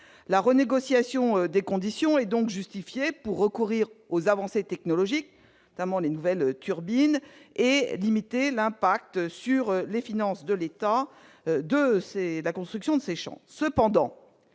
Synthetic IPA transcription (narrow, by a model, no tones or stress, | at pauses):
laʁəneɡɔsjasjɔ̃d̪ekɔ̃d̪isjɔ̃ɛd̪ɔ̃kʒyst̪ifjepuʁːəkuʁiʁozavɑ̃set̪ɛknɔlɔʒik̪ | ɔt̪amɑ̃lenuvɛlt̪ʰyʁbinelimit̪elɛ̃pak̚t̪syʁlefinɑ̃sd̪əlet̪a | d̪əselakɔ̃st̪χyksjɔ̃d̪əseʃɑ̰̃səpɑ̃d̪ɑ̰̃